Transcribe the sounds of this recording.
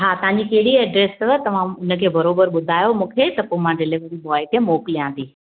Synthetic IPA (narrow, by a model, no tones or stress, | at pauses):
ɦaːt̪ɐʋ̤ãɲd͡ʑikɐɦɪɽiɛɖɾeːst̪ɐʋ̤ãʊnə̆kʰeːbɐɾoːbəɾɓʊd̪ʱaːjomũːkʰet̪ɐpomãɖɪleʋəɾibɔːɪkemoːklijãːnd̪iː